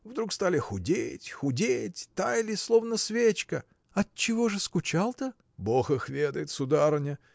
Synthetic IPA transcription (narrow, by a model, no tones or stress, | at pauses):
vd̪ɾukst̪alʲɪxʊdʲetʲxʊdʲetʲt̪ajlʲɪslˠo̞vnəsvʲet͡ɕkə | ɐt̚t͡ɕːɪvo̞ʐɨskʊt͡ɕalˠt̪ə | boxɨxvʲed̪əjɪt̪sʊd̪aɾnʲə